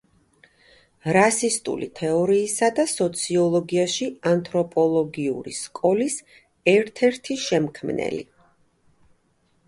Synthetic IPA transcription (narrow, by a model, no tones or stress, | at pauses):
ɾasist̪ʼṵlḭt̪ʰɛɔɾiːsad̪asɔt̪sʰiɔlˠɔɡiaʃiant̪ʰɾɔpʼɔlˠɔɡiuɾḭskʼɔlis | ɛɾt̪ʰɛɾt̪ʰiʃɛmkʰmnɛ̰lḭ